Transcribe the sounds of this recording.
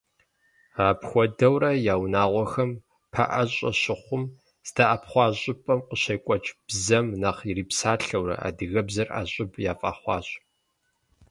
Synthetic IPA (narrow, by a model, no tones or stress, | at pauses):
aːpxʷɔdɐwrɐjaːwnaːʁʷɔxɐm | pʰɐ̰ʔɐɕʼɐ̰ɕɪχʷʊm | z̥daʔapχʷɑːɕʼɪpʼɐmqəɕejkʷʼɔt͡ʃʼb̥zɐmnaqiriːpsaːɬɐwrɐ̰a̰ːdɨɣɐbzɐra̰ɕʼɪpʰʼjaːfʼa̰ːχʷɑ̰ːɕʼ